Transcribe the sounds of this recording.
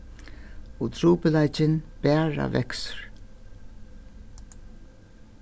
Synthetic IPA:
ɔt̪ʰɾuːpɪlajt͡ʃɪnb̥æːɹa̰vɛ̰ksɾ

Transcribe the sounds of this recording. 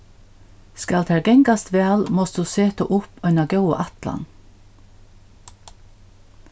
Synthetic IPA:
skɑlt̪ʰæɹɡɛŋɡɑst̪ʋeɑlmɔsd̪̥ʉːseːt̪ə̰ʔʊpœnɑɡɑʉə̰ʔɑt̪lɑ̰n

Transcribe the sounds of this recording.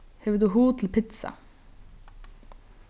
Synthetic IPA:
heːʋəd̪ʉːɦuːt̪ʰl̩pʰɪt̪sɑ̰

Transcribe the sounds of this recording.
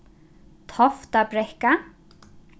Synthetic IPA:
t̪ʰɔft̪abɾɛhka

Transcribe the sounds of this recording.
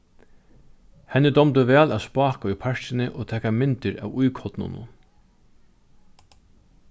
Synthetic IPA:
hɛnːɪd̪ɔmt̪ʊʋɛːlæːspɑːkaʊjpʰaɹ̥t͡ʃɪnɪʔɔːt̪ʰɛːkamɪnt̪ɪɾæ̰ːʋujkʰɔt̪nʊ̰nʊ̰n

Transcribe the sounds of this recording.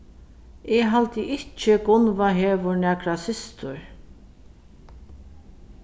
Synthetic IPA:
ɛɦalt̪ɪʔɪt͡ʃɪɡʊnvaɦeːvʊɾnæːkɾasɪst̪ʊɹ

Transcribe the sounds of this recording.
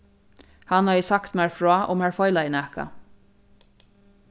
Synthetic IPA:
hɑnhɑːjəsakt̪mæːɹfɹɔːʔɔ̰mæːɹfɔʏlaɪnæːka̰

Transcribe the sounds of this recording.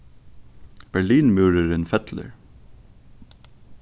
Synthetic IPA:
b̥æɹɭiːnmʉːɹəɾənfɛt̪lə̰ɹ

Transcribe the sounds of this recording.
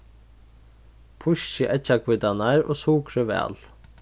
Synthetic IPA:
pʰʊʃəʔɛt͡ʃakʰvɪd̪anaɹo̰ːsuːkʰɾəʋɛ̰ːl

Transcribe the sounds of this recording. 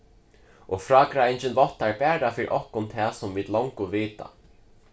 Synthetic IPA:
ʔɔfɾɑːkɾaent͡ʃɪnvɔht̪ːaɹpɛːɾafɪːɾḭʔɔhkʊnt̪ʰɛːsʊmviːt̪lɔwŋkʊviːt̪a̰

